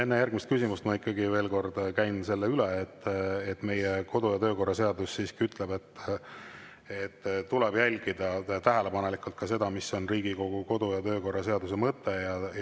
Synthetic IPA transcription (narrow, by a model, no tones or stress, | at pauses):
e̞nːejærɡ̥̚mist̪kysimust̪mɑikːɑɡive̞ːlko̞rd̪̥kæjnse̞lːeylɛːt̪ːet̪ːˑme̞jeko̞d̪ujɑt̪ø̞ːko̞rːɑse̞ɑd̪usːiːskiyt̪leb̥e̞t̪ː | et̪ːt̪ːulɛb̥jælʲɡ̥id̪̥ɑt̪æɦele̞pɑne̞likːˑult̪̚kɑse̞d̪̥ɑmiso̞nriːɡ̥iko̞ɡ̥uko̞d̪̥ujɑt̪ø̞ːko̞rːɑse̞ɑd̪us̬emɤt̪ːe̞jɑ